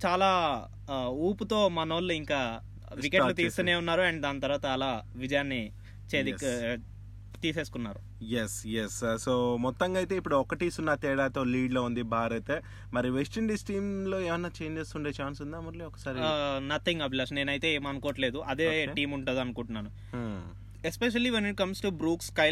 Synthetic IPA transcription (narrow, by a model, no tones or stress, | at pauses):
t͡ʃaːlaː | uːput̪o̞ːmɐnɐʋɐlːuiŋkaː | ʋikelut̪iːst̪uneːunːaːɾuɐɳʈd̪aːnt̪ɐɾʋaːt̪ɐɐlaːʋid͡ʒɐjaːnːi | t͡ʃeːd̪ik | t̪iːse̞ːsu̥kunːaːɾu | jesjessoːmɔt̪ːɐŋɡaːjt̪e̞ːipːuɽuɔkɐʈiːsunːɐt̪ɛːɽaːt̪o̞ːliːɖloːund̪ibʱaːɾɐt̪eː | mɐɾiʋesʈɐɳɖisʈiːmlo̞ːeːʋɐnːaːt͡ʃejɲd͡ʒest̪uːɳɖeːt͡ʃaːnsund̪amɐɾliɔkːɐ̥saːɾinɐt̪ʰiŋɡɐbilɐsne̞ːnɐjt̪e̞ːeːmɐnukoːʈleːd̪uʔɐd̪eːʈiːmuɳʈund̪iɐnukuɳʈunːaːnu | espeʃɐliʋeniʈ̚kɐmsʈubɾuːkskɐj